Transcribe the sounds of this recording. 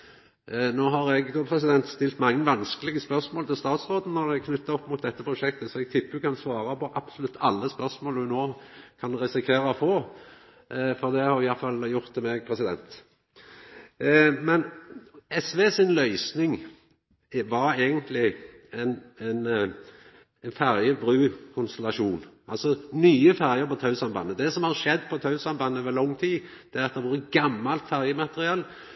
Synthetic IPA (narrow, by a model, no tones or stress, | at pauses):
noːɦɑɾɛɡt̪ʰupʰʁɛs̬ɪd̪ɛnt̪st̪ɪlt̪mɑŋːəʋɑnskəlɪɡəspœʁsmoːlt̪ɪlst̪ɑːt̪sʁoːd̪nənɔd̪ɛkʰnʉt̪ːɑɔpːmʊt̪̚d̪ɛt̪ːəpʰʁʊʃɛk̚t̪əsɔɛɡ̚t̪ʰɪpːəkʰɑnsʋɑːɾɑpɔʔɑpsʊlʉt̪ːʰɑlːəspœʁsmoːlʉnoːkʰɑnʁɛsɪkʰʋeːɾɑfoː | fɔʁd̪ɛhɑɾɪjɑʁfɑljʊʁt̪ːɪmɛɡpʰɾɛsɪd̪ɛ̰nt̪ | mɛnɛsʋeːsɪnlœʏsnɪŋ | ʋɑɾeːɡənt̪ʰlɪ | ɛɪnɛn | ɛnfæʁjəbɾʉːkʰʊnst̪ɛlɑʃuːnʔɑlsɔnyːəfæɾjəɾpɔt̪ʰɑʉsɑmbɑ̰nːəd̪ɛsɔmhɑʁʃɛd̪ːpʰɔt̪ʰɑʉsɑnbɑnːəʋɛlɔŋːt̪ʰiːd̪̥ɛæʁɑt̪̚d̪ɛʋuːɾəɡɑmːɑlt̪fæʁjəmɑt̪əʁɪɑl